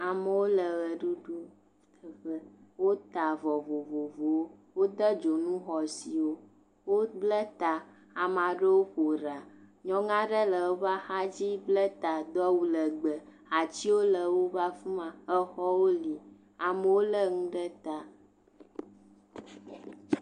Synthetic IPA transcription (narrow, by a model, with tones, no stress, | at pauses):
a˨mə˨wo˦lə˨ɣə˨ɖu˦ɖu˦˨ | ə˦wo˦t̪a˨vɔ˨vo˨vo˨vo˨˦wo˦d̪ə˦d͡ʒo˨nũ˦xɔ˨si˨wo˦ | wo˦blə˦t̪a˨ | a˨mã˨ɖə˦wo˦ɸo˨ɾa˨ɲɔ̃˦ŋã˦ɖə˦lə˨wo˦va˦xa˦d͡ʑi˦blə˦t̪a˨d̪ɔ˦wu˨lə˨ɡ͡bə˨ | a˨t͡ɕi˦wo˦lə˨wo˦va˦fu˦mã˨ə˦xɔ˦wo˦li˨ | a˨mə˦wo˦lə˦ŋũ˦ɖə˦t̪a˨